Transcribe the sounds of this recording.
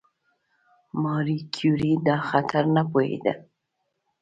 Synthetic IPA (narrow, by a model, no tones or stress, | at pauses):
mɑɾikʰjuɾid̪ɑxat̪ʰaɾnapohḛd̪a̰